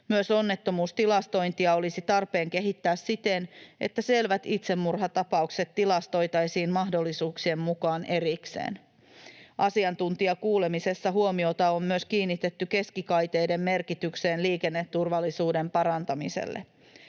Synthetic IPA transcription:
myøso̞nːe̞t̪ːo̞muːst̪ilɑst̪o̞jnt̪iɑo̞lisit̪ɑrpe̞ːŋke̞ɦit̪ːæːssit̪enʔe̞̰t̪ːæse̞lʋæt̪it̪semːurɦɑt̪ɑpɑukse̞t̪ːilɑst̪o̞jt̪ɑesiːnmɑɦdo̞lːisuːksie̞mmukɑːne̞ɾiksḛːn | ʔɑsiɑnt̪unt̪iɑkuːle̞mise̞sːɑɦuomio̞t̪ɑo̞mmyøskiːnːit̪et̪ːyke̞skikɑjt̪e̞jde̞mme̞rkit̪ykseːnliːkenːet̪ːurʋɑlːisuːde̞mpɑɾɑnt̪ɑmisḛlːḛ

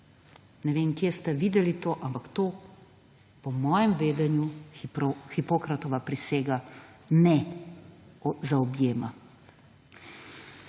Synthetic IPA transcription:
nɛʋeːmkjest̪ɛʋiːd̪ɛlit̪oːʔampakt̪oː | pɔmɔːjɛmʋeːd̪ɛnju | xipoːkɾat̪ɔʋapɾiseːɡa | nɛ | zaɔbjeːma

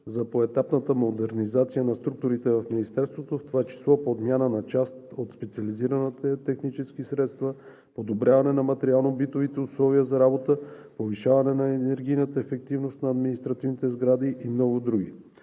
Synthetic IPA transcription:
zɐpoɛt̪apnət̪əmod̪ɛɾnizat̪sijənɐst̪ɾuk̚t̪ʊɾit̪ɛvɐfminist̪ɛɾst̪vot̪oft̪ovat͡ʃi̥slˠɔpoːd̪mjanənɐt͡ʃast̪ot̪spɛt̪siɐliziɾənət̪ɛt̪ɛxnit͡ʃɛskisɾɛt̪st̪və | pod̪obɾʲjavɐnɛnɐmɐt̪ɛɾialˠnobit̪ovit̪ɛuslˠɔviəzɐɾabot̪əpoviʃavɐnɛnɐɛnɛɾɡ̟ijnət̪əɛfɛk̚t̪ivnost̪nɐːd̪minist̪ɾɐt̪ivnit̪ɛzɡɾad̪iʔimnɔɡʊd̪ɾuɡḭ

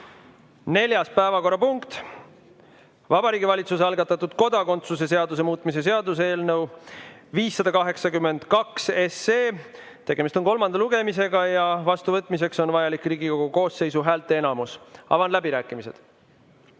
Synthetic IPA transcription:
ne̞lʲjɑspæevɑko̞rːɑpuŋkt̪ | vɑbɑɾiːɡivɑlʲit̪sus̬eɑlɡɑt̪ːˑɑt̪ːud̪̥ko̞d̪ɑko̞nt̪suse̞s̬e̞ɑd̪us̬e̞muːt̪ˑmis̬e̞s̬e̞ɑd̪us̬eeːlnɤwviːsːɑd̪̥ɑkɑɦe̞ksɑkymːe̞nd̪̥kɑkseseː | t̪e̞ɡ̥e̞mist̪o̞nko̞lmɑnd̪̥ɑluɡ̥e̞mise̞ɡ̥ɑjɑvɑst̪uvɤt̪ːˑmis̬e̞kso̞nvɑjɑlikriːɡiko̞ɡ̥uko̞ːsːe̞jsuɦæːlt̪ːˑe̞enɑmusɑ̰vɑnlæbiɾæːkːˑimise̞d̪̥

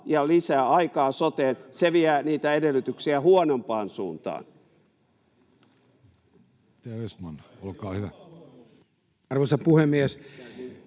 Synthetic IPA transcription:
jɑlisæːɑikɑːsot̪eːnseʋiæniːt̪æedelːˑyt̪yksiæhuonompɑːnsṵːnt̪ɑ̰ːn | t̪æesmɑnolkɑːhyʋæ | ɑrʋosɑpuhemːiæs

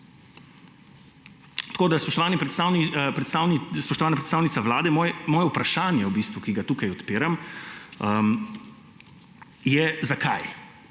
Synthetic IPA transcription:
t̪ḁkoːd̪aspɔʃt̪ɔʋaːnipɾɛt̪st̪awnipɾɛt̪st̪awnspɔʃt̪ɔʋaːnapɾɛt̪st̪aːwnit̪saʋlaːd̪ɛmɔjmɔːjɛupɾaʃaːnjɛwbiːst̪ʋukiɡat̪uːkajɔt̪peːɾam | jɛzakʰa̰j

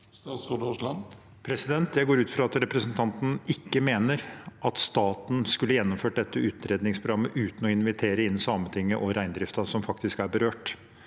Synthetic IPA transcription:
ɑsud̪ʊlɑn | pʰɾɛsɪd̪ɛnt̪jæɪɡoːɾʉːt̪fɾɑɑt̪ɾɛpɾəsənt̪ʰɑnt̪n̩ɪkːəmeːnəɾʔɑt̪st̪ɑːt̪n̩skʉlːəjɛnːɔmføːʈ̚d̪ɛt̪ːəʉːt̪ɾeːd̪nɪŋspʰɾʊɡɾɑmːəʔʉːt̪n̩ɔɪnʋɪt̪ʰeːɾəɪnsɑːmət̪ʰɪŋːəʔɔɾæɪnd̪ɾɪft̪ɑsɔmfɑkt̪ɪskæɾbəɾøːʈ

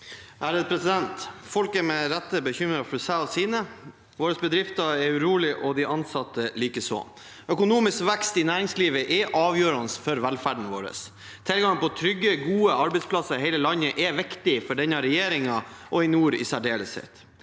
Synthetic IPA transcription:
ʔæːɾəd̪pʰɾɛsɪd̪ɛnt̪fɔlkɛɾmɛɾæt̪ːəbəçʏmɾɑfɔsæɔsiːnə | ʋoːɾəsbəd̪ɾɪft̪əɛʉɾuːlɪʔɔd̪ɪʔɑnsɑt̪ːəliːkəsɔ̰ː | œkʊnuːmɪskʋɛkst̪ɪnæːɾɪŋsliːʋəʔɛʔɑːʋjøːɾɑnəsfɔɾʋɛlfæɖɳ̩ʋo̰ːɾə̰s | t̪ʰɪlɡɑŋpɔt̪ʰɾʏɡːəɡuːəʔɑɾbɛɪtspʰlɑsəɾɦɛɪləlɑnːəʔɛʋɪkt̪ɪfɔɖɛɲɑɾɛjeːɾɪŋɑʔɔɪnuːɾɪ̰sæɖeːləshɛ̰t̪

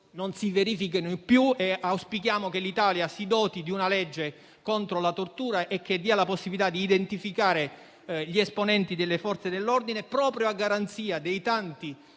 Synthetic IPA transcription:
nonsiveɾiːfik̬inoipːjueawspikjaːmokelːit̪aːljasid̪ɔːt̪id̪iunalɛd͡ʒːe | kont̪ɾolat̪ort̪uːɾaʔekːed̪ːiːalaposːibilit̪ad̪iːd̪ent̪ifikaːɾe | ʎiesponɛnt̪id̪elːefɔrt̪sed̪elːord̪inepɾɔːpɾjoaɡːaɾant̪siːad̪ejt̪ant̪i

